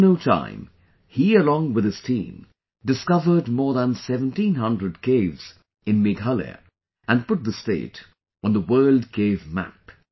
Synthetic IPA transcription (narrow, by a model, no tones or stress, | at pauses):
noʊtʰã̰ɪ̃m | hiɨlɔ̃ŋwɨð̥ɨz̥tʰḭ̃m | dɨskʌvə˞d̚mɔɹðə̃nsɛvə̃ntĩnɦʌ̃ndɹɨd̚kʰeɪvz̥ | ɨ̃nmɪɡɦʌlə̰ | ʔɨ̃npʊt̪̚ðəsteɪɾ | wə̃nðəwɜ˞lˠd̚kʰeɪvmæ̰p